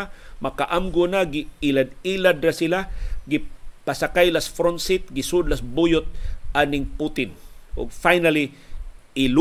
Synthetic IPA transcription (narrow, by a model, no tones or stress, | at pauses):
makaʔamɡʊnaɡɪilad̪̚ilad̪ɾasɪlaɡɪpasakajlasfɾɔnsɪt̪̚ɡɪsʊd̪lasbujʊt̪̚ʔanɪŋput̪ɪnʊ̰ɡ̚fajnali | ɪl